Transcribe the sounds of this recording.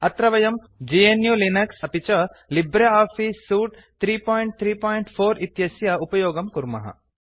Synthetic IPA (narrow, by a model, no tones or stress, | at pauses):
ɐt̪ɾɐʋɐjɐm | d͡ʒiːenjulinɐksɐpit͡ʃɐlibɾɐaːfʰisːuːʈ | t̪ʰɾiːpɔːjiɳʈ̚t̪ʰɾiːpɔːjɳʈfʰoːɾit̪jɐsjɐupɐjoːɡɐmkuɾmɐ̰ɦɐ̰